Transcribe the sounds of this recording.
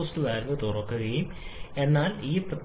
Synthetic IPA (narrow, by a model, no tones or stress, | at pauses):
stuʋaːɾenːɨt̪urɐkːuɣɐjume̞nːaːliːp